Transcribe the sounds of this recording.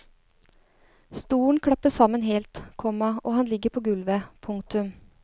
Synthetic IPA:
st̪uːɳkʰɽɑpəsɑmənɦeːlt̪kʰɔmɑʔoːhɑnlɪɡːəɾpʰoːɡʉlʋəpʰʊŋk̚t̪ʉm

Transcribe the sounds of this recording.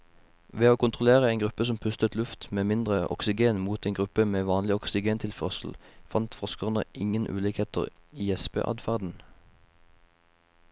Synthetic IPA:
ʋeːoːkʊnt̪ʁʊleːʁəeɪnɡʁʉpəsɔmpʰʉst̪ət̪lʉft̪meːmɪnd̪ʁəʔɔ̰ksɪɡeːnmuːt̪ɛeːnŋɡʁʉpəmeːʋɑːnlɪɔksɪɡeːnt̪ʰɪlfœʁsl̩fɑnt̪fɔʁskəʁnə̰ʔɪŋənʔʉ̰ːliːkheːt̪ə̰ʁiːɛspḛːʔɑ̰d̪fæʁd̪n̩

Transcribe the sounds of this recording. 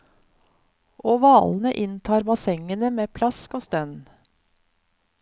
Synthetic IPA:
ʔoːʋɑːln̩əʔɪnt̪ʰɑːɾbɑsɛŋənəmeːpʰlɑskoːst̪œn

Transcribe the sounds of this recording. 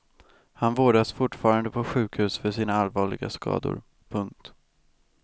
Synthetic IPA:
hanvoːɖasfʊʈːfɑːɾand̪əpʰɔɧʉ̟ːkhʉ̟ːsfœʂiːnaalvɑːɭɪ̰ɡa̰skɑ̰ːd̪ʊ̰ɾ | pʰɵŋk̚t̪

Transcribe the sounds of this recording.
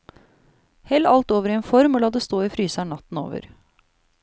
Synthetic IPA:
hɛlːɑlt̪oːʋəɾɪeːnfɔɾmoːlɑːd̪əst̪oːiːfɾyːsæɳɑt̪n̩o̰ːʋə̰ɾ

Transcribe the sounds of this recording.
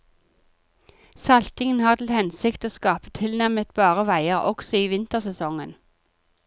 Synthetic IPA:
sɑlt̪ɪŋənhɑːʁt̪ʰl̩hɛnsɪkt̪oːskɑːpə̥t̪ʰɪlnæmət̪bɑːʁəʋæɪəʁɔksɔiːʋɪnt̪əʁsɛsɔŋən

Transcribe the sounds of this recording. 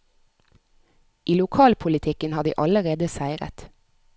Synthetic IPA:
ʔiːlʊkʰɑːlpʰʊlɪt̪ʰɪkənhɑːd̪ḭːʔɑləʁeːd̪əsæɪʁə̰t̪

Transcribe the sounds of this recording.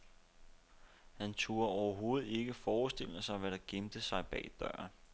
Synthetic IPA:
hænt͡sʰuɐɒʊɐɦo̝ːð̞̩ˠe̝ɡ̥əfɒːsd̥e̝l̰əsɑ̈ɪʋæɾ̥ɑ̈ɡ̥emd̥əsɑ̈ɪb̥ɛ̰ːd̥ɶɐn

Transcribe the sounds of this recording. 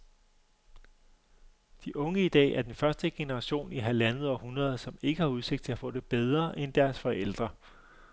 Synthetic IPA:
d̥iʔɔ̽ŋəid̥ɛ̰ːæɐd̥enfɶɐsd̥əɡ̥e̝nəʁɑ̈ɕo̝̰ːniɦælænð̞̩ˠɒhunʁɐð̞ˠsɒ̽me̝ɡ̥əhɑ̈uðˠse̝ɡ̥̚t͡sʰe̝læfɔ̰̽ːd̥e̝b̥eð̞ˠʁɐʔend̥æɐsfɒ̽ʔel̰d̥ʁɐ

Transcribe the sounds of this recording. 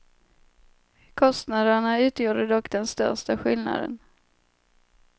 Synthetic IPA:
kʰɔst̪nad̪əɳaʉ̟ːt̪ʰjuːd̪əd̪ɔkd̪ɛnst̪œ̰ɾʂtaɧɪlna̰d̪ə̰n

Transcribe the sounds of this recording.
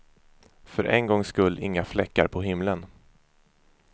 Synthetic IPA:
fœɾʔɛ̰nɡɔŋːskɵlːɪŋːaflɛkːa̰ɾpʰɔɦɪmlən

